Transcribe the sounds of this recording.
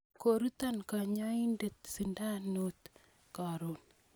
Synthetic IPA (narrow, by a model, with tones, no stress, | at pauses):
ko˨ɾu˦t̪anka˨ɲai˦ndet̪si˨nda˦not̪ | ka˨ɾo˨n